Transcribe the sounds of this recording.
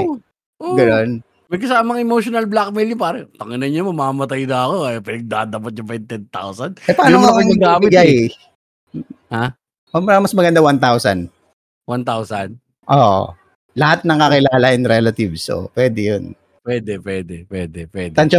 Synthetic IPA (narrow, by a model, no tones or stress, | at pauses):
ʔoɡɐnon | mɐk̬ɐsaːmɐŋɛmowʃonɐlblak̚mɛljʊpaːɾɛp̪ɐŋɪnɐɲɲɐmɐmaːmɐt̪ajnɐɐkopɪnɐɡ̚d̪aːd̪ɐpɐt̪̚ɲʊfɛnt̪ɛnt̪a̰wsɐnd̪ʔɛpɐaaːjʊnoŋkɐɪɡaːbɪɡaj | ha | ɐmamɐsmɐɡɐnd̪awant̪awsɐ̰n | want̪awsɐn | ʔo̰ | lɐhat̪̚nɐŋɐkɪlaːlɐʔɛnɾɛlɐt̪ɪvso̰pwɛːd̪ɛjon | pwɛd̪ɛpwɛd̪ɛpwɛːd̪ɛpwɛd̪t̪ɐnt͡ʃɐ